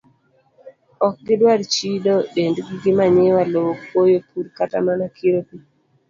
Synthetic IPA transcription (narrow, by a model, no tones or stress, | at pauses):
ɔk̚ɡɪdwaɾt͡ʃidɔɗendɡiɡɪmaɲewalowopwojopʰuɾkatamanakʰiɾopi